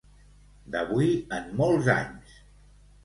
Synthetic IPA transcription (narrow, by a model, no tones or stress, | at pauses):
d̪əβuiəmmɔlˠza̰ɲs